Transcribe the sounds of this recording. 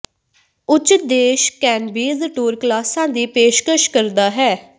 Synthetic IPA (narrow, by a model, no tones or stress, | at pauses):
ʊt͡ʃːt̪̚d̪eːʃkɛːnbiːzʈuːɾklaːsãːd̪iːpeːʃkəʃkəɾd̪aːɦɛː